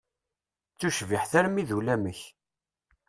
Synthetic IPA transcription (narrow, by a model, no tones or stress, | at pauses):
t͡sːuʃviħθæɾmiðulæməç